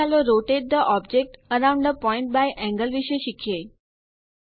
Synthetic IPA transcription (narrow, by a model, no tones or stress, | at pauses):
aloɾoʈeʈ̚d̪əʔɔbd͡ʑek̚ʈəɾãwɳɖd̪əpɔiɳʈ̚bajʔɛ̃ŋɡəlʋiɕeʃikʰje